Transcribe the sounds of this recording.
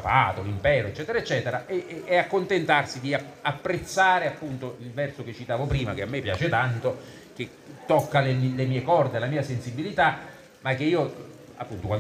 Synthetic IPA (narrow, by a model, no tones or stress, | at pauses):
paːt̪olimpɛːɾoet͡ʃːɛːt̪eɾaet͡ʃːɛːt̪eɾaʔɛɛakːont̪ent̪arsid̪iaapːɾet̪sːaːɾeapːunt̪oilvɛrsoket͡ʃːit̪aːvopɾiːmakeamːepːja̰ːt͡ʃet̪ant̪o | k̟e | t̪ːokːalelemiːekɔrd̪elamiːasensibːilit̪a | mak̟ːeiːo | a̰pːunt̪okwan